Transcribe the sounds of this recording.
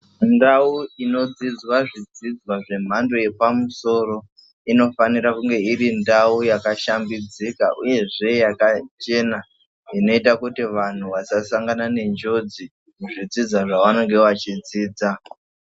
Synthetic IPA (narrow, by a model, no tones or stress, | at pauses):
ndauino̞d͡zid͡zwaʐid͡zid͡zwaʐe̞m̤ando̞je̞pamuso̞ːɾo̞ | ino̞faniɾakuŋɡe̞iɾindaujakaʃambid͡zika̰ʔuje̞ʐe̞jakat͡ʃe̞na | ino̞itakutiʋan̤uʋasasaŋɡanane̞ɲd͡ʒo̞d͡zi | muʐid͡zid͡zwaʐaʋano̞ŋɡe̞ʋat͡ʃid͡ziːd͡za